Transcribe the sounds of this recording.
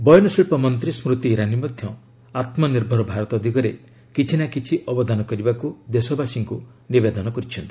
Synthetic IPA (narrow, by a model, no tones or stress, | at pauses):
bɔjɔnɔsiɭpɔmɔnt̪ɾismɾut̪iːɾanimɔd̪ʱjɔ | at̪mɔniɾbʱɔɾɔbʱaɾɔt̪ɔːd̪ʱikɔɾe | kit͡ʃʰinakit͡ʃʰiʔɔbɔd̪anɔkɔɾibakud̪esɔbasiŋku | nibed̪ɔnɔkɔɾit͡ʃʰɔnt̪i̥